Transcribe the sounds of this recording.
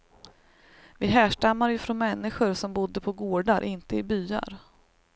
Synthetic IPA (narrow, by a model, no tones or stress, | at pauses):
vɪɦæːʂʈamːaɾjɵfɾɔnmɛnːɪɧʊɾʂɔmbʊd̪ːəpʰɔɡoːɖaɾʔɪnt̪əɪbyːa̰ɾ